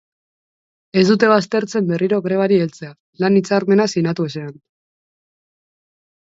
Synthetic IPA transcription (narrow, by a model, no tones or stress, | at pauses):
e̞zd̪ut̪e̞β̞ast̪e̞ɾt͡se̞mbe̞riɾo̞ɣɾe̞β̞aɾielt͡se̞a | lanit͡saɾme̞nasinat̪uese̞an